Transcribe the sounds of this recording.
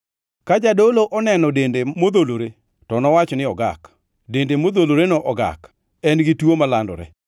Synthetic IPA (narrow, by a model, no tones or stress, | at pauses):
kad͡ʒadoloʔɔnɛnɔdendemod̪oloɾe | tɔnɔwat͡ʃɔnɪɔɡa̰k | dendemod̪oloɾenɔʔɔɡa̰k | ɛnɡɪtwomalandɔ̰ɾɛ̰